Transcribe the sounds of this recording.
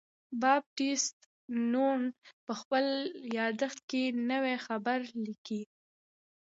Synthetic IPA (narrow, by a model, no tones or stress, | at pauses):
bɑb̚ʈist̪ | nuɳpəxpəljɑd̪əxt̪̚kenəwexabaɾliki